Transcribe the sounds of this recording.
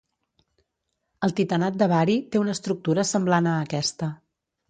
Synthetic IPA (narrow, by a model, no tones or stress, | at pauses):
əlˠt̪it̪ənat̪̚d̪əβaɾit̪eunəst̪ɾuk̚t̪uɾəsəmblanəːkɛst̪ə